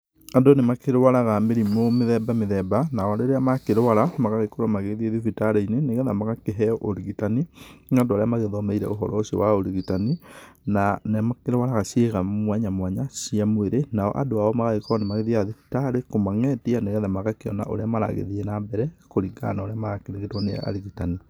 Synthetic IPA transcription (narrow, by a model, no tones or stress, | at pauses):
andonemakeɾwaɾaɣameɾimomeðɛbameðɛbanaɔaɾeɾeamakeɾwaɾamaɣaɣekoɾwamaɣeðieðifitaɾeineneɣɛðamaɣakeɦɛɔʔoɾiɣitaninandoaɾeamaɣeðɔmɛiɾɛ̰oɦɔ̰ɾɔoɕo̰waoɾiɣitaninanamakeɾwaɾaɣaɕeɣamwɛɲamwaɲaɕiamweɾenaɔ̰ʔa̰doaɔmaɣaɣekɔɔnemaɣeðiaðifi̥taɾekomaŋɛtianeɣɛðamaɣakeɔ̰na̰ʔo̰ɾeamaɾa̰ɣḛðienabɛɾɛkoɾiɡa̰naoɾeamaɣakeɾeŋɡetwanea̰a̰ɾiɣitani